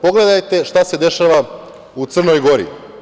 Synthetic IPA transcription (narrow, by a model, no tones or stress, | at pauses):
po̞ɡle̞d̪ajt̪e̞ʃt̪ase̞d̪e̞ʃaʋa | ut̪sr̩nojɡo̞ɾḭ